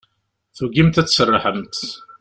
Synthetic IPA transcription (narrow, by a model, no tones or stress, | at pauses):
θuɡimt̪æt͡sːsərˤːɑħəmt̪